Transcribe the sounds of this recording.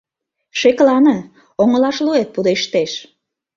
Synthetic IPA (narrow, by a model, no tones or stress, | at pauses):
ʃeklɑnə | oŋə̆lɑʃluet̪̚pud̪eʃt̪eʃ